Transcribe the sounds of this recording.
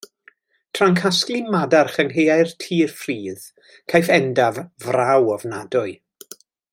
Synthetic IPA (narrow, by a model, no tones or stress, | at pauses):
tʰraŋkʰasklˠimadarχənɦejajrtʰiːrfriːð | kʰajfɛndavvrawɔvnadʊɨ